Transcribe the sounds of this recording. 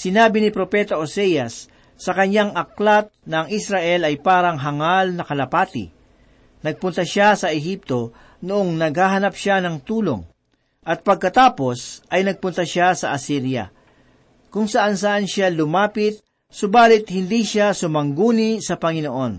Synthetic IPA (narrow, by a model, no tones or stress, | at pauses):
sɪnaːbɪnɪpɾopɛːt̪ɐʔosɛjɐsː | ɐkɐɲaŋɐklat̪̚nɐːŋʔisɾaʔɛlɐjpaːɾɐŋɦɐŋalnɐkɐlɐpaːt̪ɪ̰ | nɐɡ̚pʊnt̪ɐʃasɐʔɛɦip̚t̪o̞ | noʔoŋnɐɡ̚haːɦɐnapʃanɐŋt̪uːlo̰ŋ | ʔɐt̪̚pɐɡ̚kɐt̪aːpo̞sʔɐjnɐɡ̚pʊnt̪ɐʃasɐʔɐsiɾjɐ̰ | kʊŋsɐʔansɐʔanʃalʊmaːpɪt̪̚ | sʊbaːlɪt̪̚hɪnd̪iʃasʊmɐŋɡuːnisɐpɐŋɪnoʔo̞n